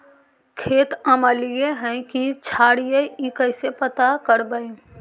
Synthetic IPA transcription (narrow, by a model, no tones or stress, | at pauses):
kʰeːt̪əməlijeɦɛ̃kit͡ʃʰaːɽijeikəɪsepət̪akəɾbəe